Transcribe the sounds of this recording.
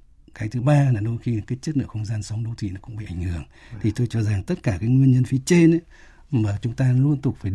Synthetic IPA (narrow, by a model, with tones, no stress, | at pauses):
xaː˨˦jt̪ʰɨ˨˦ɓaː˧laː˨˩ɗo˧jxi˧˨˩kaː˨˦j̚t͡ɕə˦˥t̚nɨ̰˧˨xə˧wŋ͡mzaː˧nsə˨˦wŋ͡mɗo˨˦t̪ʰḭ˧˨nɔ˨˦kʊ̰˧˥ŋ͡mɓḭ˧˨ʔa˧˩jŋ̟hɨ˧˩əŋ | t̪ʰi˨˩t̪o˧jt͡ɕɔ˧za˨˩ŋt̪ə˦˥t̚kaː˧˩kaː˨˦jŋwi˧ənɲə˧nfi˨˦t͡ɕe˧nḛ˧˦ | maː˨˩t͡ɕʊ˨˦ŋ͡mt̪aː˧lu˧ənt̪ʊ˨˩k͡p̚faː˧˩